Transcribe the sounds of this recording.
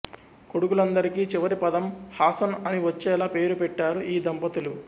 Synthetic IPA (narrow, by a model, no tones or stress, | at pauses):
ko̞ɽukulɐnd̪ɐɾikiːt͡ʃiʋɐɾipɐd̪ɐmhaːsɐnɐniʋɐt͡ʃːɛːlaːpe̞ːɾupɛʈːaːɾuʔiːd̪ʱɐmpɐt̪ulu